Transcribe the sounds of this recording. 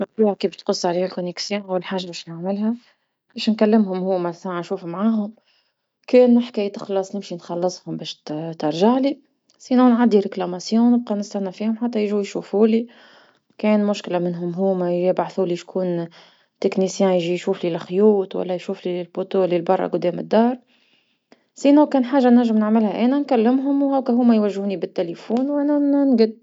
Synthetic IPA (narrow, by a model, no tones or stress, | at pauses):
mɪbd̪uːkiːbɪʃt̪qʊsˤːʕliːhælkʊniksjæ̃wlħaːʒabɛːʃnaʕmɪlhæ | bɛːʃnkælːɪmɦʊmhuːmæsaʕanʃuːfumʕaːɦʊm | kɛːnɪħkæjt̪ə̥xlɑsˤnɪmʃinxɑlːɨsˤhʊmbɛːʃt̪ɑɾˤʒaʕli | siːnæwnʕad̪ːiɾɪklamæsjõːwnɪb̚qɑnɪst̪ænːafiːhʊmħat̪ːæjɪʒuwjʃuːfuːli | kɛːnmʊʃklamɪnɦʊmɦuːmæjʒibaʕθuːliʃkʰuːn | t̪ɪknisjæ̃jʒijʃuːflilxjuːt̪wæ̰lːæːjʃuːflilfot̪oːlilbɑrˤːɑ̰ɡʊd̪ːɛːmɪ̰d̪ːɑːɾˤ | siːnæwkɛːnħaːʒːanæɾʒːəmnɪʕmɪlhæʔæːnænkælːɪmɦʊmwhæwkæɦʊːmːæjwæʒːhuːnibɪt̪ːelefuːnwæːnænɡɪd̪̚